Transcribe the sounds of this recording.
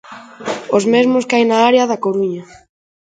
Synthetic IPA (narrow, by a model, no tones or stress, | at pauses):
ozmezmoskajnaaɾeaðakoɾuɲa